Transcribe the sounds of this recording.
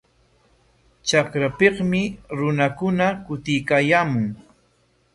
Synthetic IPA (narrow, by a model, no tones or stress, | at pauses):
t͡ʃakɾapeχmɪɾʊnakʊnakʊt̪ɪjkaːjaːmʊŋ